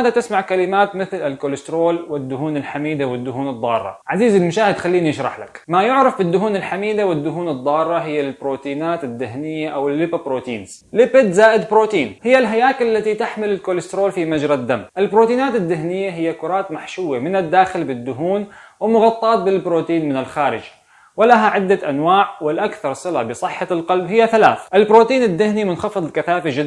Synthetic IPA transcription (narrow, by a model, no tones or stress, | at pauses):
aːd̪at̪ɪsmaʕkalɪmaːt̪mɪθlɪlkolɪst̪ɾoːlwɪd̪ːʊɦuːnɪlħamiːd̪awɪd̪ːʊhuːnɨd̪ˤːɑːrˤːɑ̰ʕaziːzɪlmʊʃaːhɪd̪xalːiːnijɪʃɾˤɑ̰ħla̰kmajʊʕɾˤɑfbɪd̪ːʊɦuːnɪlħamiːd̪awɪd̪ːʊɦuːnɨd̪ˤːɑːrˤːɑɦɪjːalbɾoːt̪iːnaːt̪ɪd̪ːɪhnɪjːaʔawɪlːɪpabɾoːt̪ḭːnz̥ | lɪpɪd̪zaːʔɪd̪bɾoːt̪iːnhɪjːalɦajaːkalːat̪it̪aħmɪlɪlkoːlɪst̪ɾoːlfimad͡ʒɾˤɑd̪ːamːʔɪlbɾoːt̪iːnaːt̪ɪd̪ːɪɦnɪjːaɦɪjːakʊɾˤɑːt̪maħʃuwamɪnad̪ːaːxɪlbɪd̪ːʊɦuːnwɪmʊɣɑt̪ˤːɑːt̪̚bɪlbɾoːt̪iːnmɪnɪlxaːɾɪ̰d͡ʒ | wɪlaɦaʕɪd̪ːaʔanwaːʕwɪlʔakθɑɾˤsˤɨla̰bɨsˤɨħːalqɑlbhɪjːaθalaːθʔɪlbɾoːt̪iːnɪd̪ːɪhnimʊnxɑfɨðˤlkaθaːfad͡ʒɪd̪